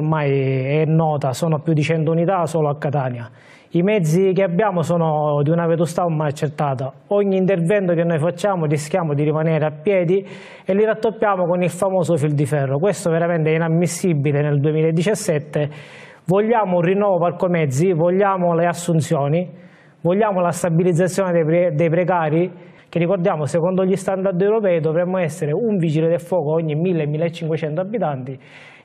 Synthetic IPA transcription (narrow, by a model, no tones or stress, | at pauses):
majɛnːɔːt̪asɔːnopjud̪ːit͡ʃɛnt̪ʊunit̪asɔːloakːat̪aːnja | imɛd̪zːikeabːjaːmosɔːnod̪iunavet̪̬usi̥t̪aoɾmajat͡ʃːert̪ːaːt̪a | ɔɲːiːnt̪ervɛnt̪okenːɔjfat͡ʃːaːmʊrisk̟jaːmod̪iɾimanɛːɾeapːjɛːd̪i | eliɾat̪ːopːjaːmokonilfamoːsʊfild̪ifɛrːokwest̪oveɾamɛnt̪ɛinamːisːibileneld̪uemiːlaed̪ːit͡ʃasːɛt̪ːe | voʎːaːmourinːɔːvoparkomɛd̪zːivoʎːaːmoleasːunt̪sjɔːni | voʎːaːmolast̪abilid̪zːat̪sːjɔːned̪d̪ejpɾekaːɾi | kerːikord̪jaːmosekɔnd̪oʎːist̪and̪aɾd̪ɛwɾopɛːid̪ovɾɛmːoɛsːeɾeuɱviːd͡ʒiled̪elfːwɔːkooɲːimilːemːiːlːet͡ʃːiŋkwet͡ʃɛnt̪oabːit̪ant̪i